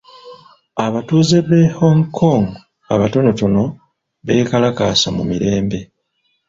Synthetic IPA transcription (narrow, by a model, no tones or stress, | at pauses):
aβatuːzeβehoŋkʰoŋ | aβato̞no̞to̞no̞ | βe̞ːkalakaːsamumiɾe̞ːmbe̞